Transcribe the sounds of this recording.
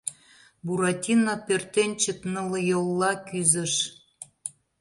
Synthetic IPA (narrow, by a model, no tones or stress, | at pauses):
buɾɑtʲinɑpørt̪enʲt͡ɕəknələjolˠːɑkyzə̆ʃ